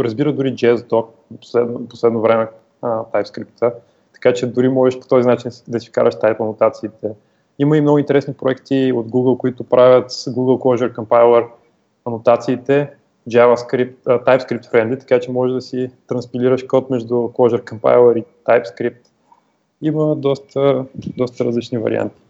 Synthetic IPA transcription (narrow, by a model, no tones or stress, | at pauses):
ɾəzbiɾəd̪ʊɾid͡ʒɛzd̪ɔk̪̚ | po̥slɛd̪po̥slɛd̪novɾɛmɛ | t̪ajpskɾipt̪ʰə | t̪ɐ̥kat͡ʃɛd̪ʊɾimɔʒɛʃpo̥t̪ɔzinat͡ʃind̪ɐsika̰ɾɐʃt̪ajpənʊt̪at̪siːt̪ɛ | iməimnɔɡʊint̪ɛɾɛsnipɾoɛkt̪iod̪ɡuɡəlˠkʊit̪ʊpɾavʲjət̪ɡuɡəlˠklˠɔʒɛɾkɐmpajlˠɛɾ | ɐnʊt̪at̪siːt̪ɛ | d͡ʒavəskɾip̚t̪ət̪ajpskɾip̚t̪fɾɛnd̪it̪ɐ̥kat͡ʃɛmɔʒɛd̪ɐsit̪ɾɐnspilʲiɾəʃkɔt̪mɛʒd̪ʊklˠɔʒɛɾkɐmpa̰jlˠəɾit̪ajpskɾip̚t̪ | iməd̪ɔst̪əd̪ɔst̪əɾəzlit͡ʃnivɐ̰ɾḭa̰nt̪i̥